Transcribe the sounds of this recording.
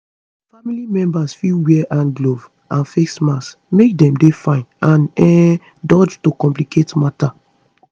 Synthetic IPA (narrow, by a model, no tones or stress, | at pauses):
familimɛ̃mbasfilwɛʔãnɡlov | ãnfeksmas | mek̚dɛ̃mdefãɪ̃nãnɛ | dɔd͡ʒtokɔ̃mp̬likʰetmata